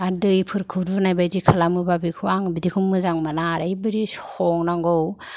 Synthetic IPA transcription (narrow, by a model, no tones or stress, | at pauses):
adɯjpʰɯɾkʰɯɾunajbajdikʰalamɯbabikʰuaŋbidikʰummɯzaŋmanaɾajbɯɾishɔŋnaŋɡɔw